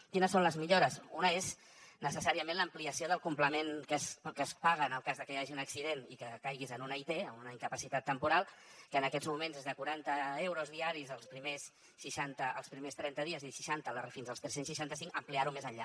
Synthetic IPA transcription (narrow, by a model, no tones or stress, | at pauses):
kinəsːonləzmiʎoɾəsunəez | nəsəsaɾiəmẽnləmpliəsioðəlˠkumpləmenkəskəspaɣəːnəlˠkazðəkəjaʒiunəksiðenikəkajɣizənunəit̪eəmunəiŋkəpəsit̪at̪ːəmpuɾalˠkəːnəkɛzmumenzezðəkuɾant̪əewɾozðiaɾizəlˠspɾimesː | iʃant̪əʔəlˠspɾimest̪ɾɛnt̪əðiəziʃiʃant̪ələrefinzðəlst̪ɾɛsensʃiʃant̪əsiŋəmpliaɾumezəɲʎa